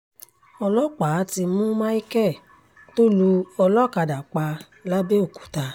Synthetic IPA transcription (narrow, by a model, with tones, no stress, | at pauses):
ɔ˧lɔ˦˨k͡pa˨˦ti˧mũ˦mã˦i˦kɛ˦˨ | to˦lu˧ɔ˧lɔ˦˨ka˧da˨k͡pa˧ | la˦be˦o˦˨ku̥˨ta˧